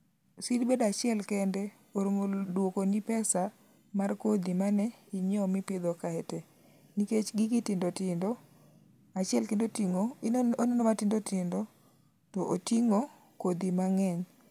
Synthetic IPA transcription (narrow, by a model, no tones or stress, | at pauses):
sidbedat͡ʃɪɛlkɛndɛ | oɾomodwokonipɛsa | markod̪imanɛiɲɔmɪpɪd̪ɔkaɛtɛ | niket͡ʃɡɪɡɪtɪndotɪndɔ | at͡ʃɛlkendotiŋoononomatɪndotɪndɔ | tɔʔotiŋo | kod̪imaŋɛɲ